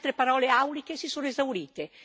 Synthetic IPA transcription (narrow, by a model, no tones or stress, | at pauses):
t̪ɾepaɾɔːleawlik̟esisoːnoezawɾiːt̪e